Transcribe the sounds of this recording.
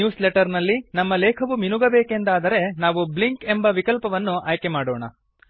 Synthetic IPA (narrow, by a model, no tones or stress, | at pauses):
juːsleʈɐɾnɐlːinɐmːɐlɛːkʰɐʋuminuɡɐbeːke̞nd̪aːd̪ɐɾe̞naːʋubliŋke̞mbɐʋikɐlpɐʋɐnːuʔaːjkemaːɽoːɳɐ̰